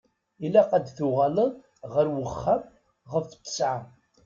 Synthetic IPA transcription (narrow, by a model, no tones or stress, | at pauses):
ilːæqad̪θʊʁaləðˤ | ʁəɾwəχːam | ʁəft͡s̪ːə̥sʕa